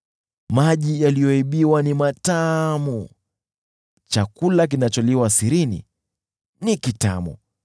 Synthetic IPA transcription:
maʄijalijɔiɓiwanimatamu | t͡ʃakulak̬inat͡ʃɔliwasiɾinḭ | nikita̰mṵ

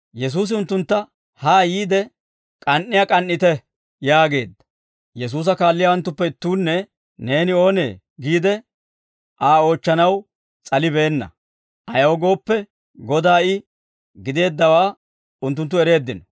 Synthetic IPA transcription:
jɛs̬uːs̬ɪʊnt̪ːʊnt̪ːɐ | haːjiːd̪ɛ | kʼɐnːɪjakʼɐnːɪt̪ɛ | jaːɡe̞̰ːd̪ːɐ̥ | jɛs̬uːs̬ɐkaːlːɪjɐwɐnt̪ːʊpːɛɪt̪ːuːnːɛ | ne̞ːnɪo̞ːnḛː | ɡiːd̪ɛ | ʔaːo̞ːt͡ʃːɐnɐw | t͡sʼɐlɪbe̞ːnːɐ̰ | ʔɐjoːɡo̞ːpːɛ | ɡɔd̪aːɪ | ɡɪd̪e̞ːd̪ːɐwaː | ʊnt̪ːʊnt̪̬ːʊɛɾe̞ːd̪ːɪnɔ

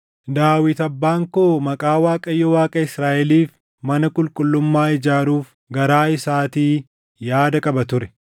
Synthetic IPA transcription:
d̪aːwɪt̪ɐbːaːŋkoːmɐkʼaːwaːkʼɐjːɔwaːkʼɐɪsɾaːʔɛliːf | mɐnɐkʼʊlkʼʊlːʊmːaːɪd͡ʒaːɾuːf | ɡɐɾaːɪsaːt̪iː | jaːd̪ɐkʼɐbɐt̪ʊɾɛ

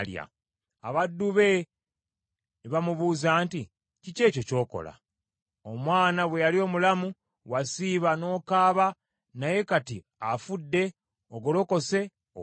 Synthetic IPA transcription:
lja̰ | aβadːuβe̞ | βamuβuːzaːnti | cice̞ːco̞co̞ːko̰la̰ | omwaːnaβwe̞jalio̞ːmulamu | wasiːβano̞ːkaːβa | naje̞kati | afudːe̞ | oɡolo̞ko̞se̞

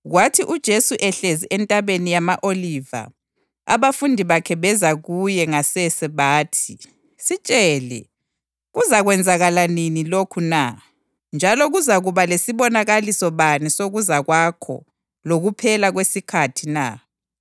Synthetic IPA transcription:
ɣwatʰiʔud̥ʒ̥ʱesuʔɛɬeziʔɛntʼaβenijamaʔoliva̰ | a̰βafundʱiβakʰɛβɛzaɣujɛŋasɛsɛβaːtʰi | sit͡ʃʼɛlɛ̰ | ɣuzaɣwɛnd͡zʱaɣalaninilokʰuna | nd͡ʒʱalɔɣuzaɣuβalesiβɔnaɣalisɔβanisoɣuzaɣwakʰɔ̰ | loɣupʰɛlaɣwesikʰatʰina̰

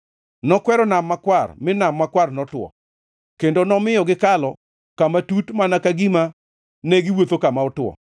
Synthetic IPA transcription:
nɔkwɛɾɔnamːakwarmɪnamːakwarnɔtwɔ̰ | kendonɔmɪjɔɡɪkalɔ | kamatutmanakaɡima | nɛɡɪwot̪okamaɔtʊwɔ̰

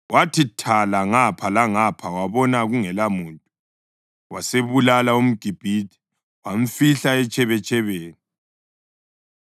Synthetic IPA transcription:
wʔatʰitʰalaŋapʰalaŋapʰawaβɔnaɣuŋɛlamuːntʼu | waseβulalaum̩ɡ̥ʱib̥ʱitʰi̥ | wam̩fiɬaɛt͡ʃʼɛβɛt͡ʃʼɛβeːni

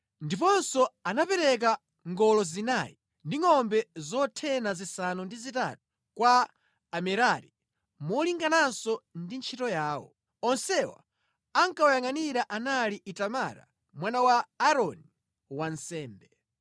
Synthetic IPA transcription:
ndipɔnsɔanapɛɾɛk̬a | ŋɡɔlɔzinaji | ndiŋɔmbɛzɔtʰɛnazisanundizita̰tu̥ | kwaː | mɛɾaɾḭ | mɔliŋɡanansɔndint͡ʃʰitɔjaːwɔ̰ | ɔnsɛwa̰ | aŋkaɔjaŋaniɾaʔanaliʔitamaɾa̰ | mwanawaaɾɔni | wansɛːmbɛ

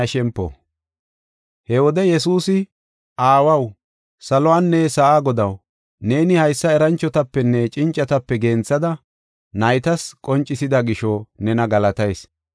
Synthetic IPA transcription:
ɐʃɛmpːɔ̰ | hɛwɔd̪ɛjɛsuːsɪ | ʔaːwɐw | sɐlɔaːnːɛsɐʔaːɡɔd̪ɐw | ne̞ːnɪhɐjsːɐɛɾɐnt͡ʃːɔt̪ɐpːɛnːɛt͡ʃʼɪnt͡ʃʼːɐt̪ɐpːɛɡeːnt͡sːɐd̪ɐ | nɐjt̪ɐskʼɔnt͡ʃʼːɪsɪd̪ɐɡɪʃɔnɛnɐɡɐlɐt̪ɐjs

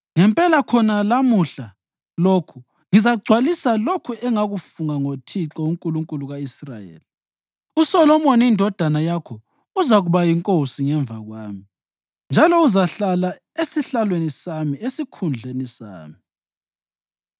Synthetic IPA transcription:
ŋɛmpʼɛlakʰɔnalamuɬa | lokʰu | ŋizaɡ͡ǀʱwalisalokʰuɛŋaɣufuŋaŋotʰit͡ɬʼɔuŋkʼuluŋkʼuluɣaisra̰jḛːli | usɔlɔmɔnindʱɔd̥ʱanajakʰɔ | uzaɣuβajiŋkʼosiŋɛɱb̪vʱaɣwaːmi | nd͡ʒʱalɔuzaɬala | esiɬalwenisamiesikʰund͡ɮʱenisa̰ːmi

